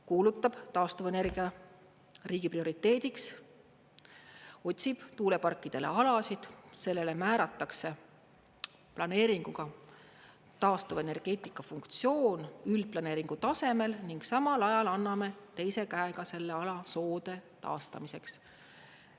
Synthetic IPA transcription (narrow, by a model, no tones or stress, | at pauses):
kuːlut̪ːˑɑb̥t̪ɑːst̪uvene̞rɡ̥iɑ | riːɡ̥iprio̞ɾit̪ːˑe̞ːd̪iks | o̞t̪ʲsib̥t̪uːle̞pɑrkːˑid̪̥e̞lḛɑlɑsid̪̥se̞lːe̞le̞mæːɾɑt̪ːˑɑkse̞ | plɑne̞ːɾiŋɡ̥uɡ̥ɑ | t̪ɑːst̪uvene̞rɡ̥e̞ːt̪ˑikːˑɑfuŋkt̪sio̞ːnyld̪̥̚plɑne̞ːɾiŋɡ̥ut̪ɑse̞me̞lniŋɡ̥sɑmɑlɑjɑlɑnːɑme̞t̪e̞jse̞kæeɡ̥ɑse̞lːe̞ɑlɑso̞ːd̪̥e̞t̪ɑ̰ːst̪ɑmise̞ks